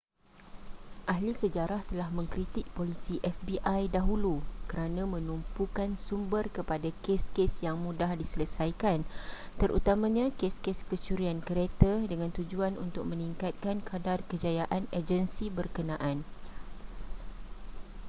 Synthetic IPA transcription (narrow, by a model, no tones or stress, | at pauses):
ʔaɦlisəd͡ʒaɾaht̪əlahmə̃ŋkɾit̪ɪk̚polisiʔɛfbiʔajdaɦulukəɾanãmə̃numpukansumbərkəpadakeskesjaŋmũdahdisələsajkan | t̪əɾʔṵt̪amãɲãkeskeskət͡ʃuɾiankəɾet̪adəŋãnt̪ud͡ʒuanṵnt̪ʊk̚mə̃niŋkat̪̚kankʰadarkəd͡ʒajaʔaned͡ʒənsibərkənãʔan